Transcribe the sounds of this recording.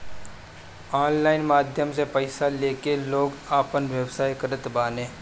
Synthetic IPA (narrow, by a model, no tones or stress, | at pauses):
aːnlaːɪnmaːd̪ʱjəmsepəɪsaleːkeloːɡaːpənʋjəbsaːjkəɾət̪baːnẽː